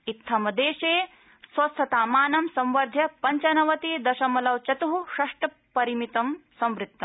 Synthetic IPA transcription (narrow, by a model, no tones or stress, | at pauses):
it̪ʰːɐmɐd̪eːʃeː | sʋɐst̪ʰɐt̪aːmaːnɐmsɐ̃mʋɐɾd̪ʱjɐpɐɲt͡ʃɐnɐʋɐt̪iːd̪ɐʃɐmɐlɐwt͡ʃɐt̪uɦuʃɐʂʈɐ | pɐɾimit̪ɐmsɐ̃mʋɾit̪ːɐm